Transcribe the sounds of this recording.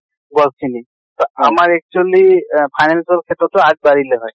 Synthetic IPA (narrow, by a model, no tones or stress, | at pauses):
bɔlt͡ʃʰini | t̪ɔamaɹɛk̚t͡ʃualipʰajnɛnsɔlkʰet̪ɾɔtɔad͡ʒ̚baɹileɦɔj